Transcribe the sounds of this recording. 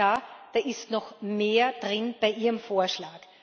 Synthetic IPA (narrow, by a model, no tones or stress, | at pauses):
aːd̥aːʔɪstnɔxmeːɐd̥ʁɪnb̥aɪʔiːʁəmfoːɐʃlaːk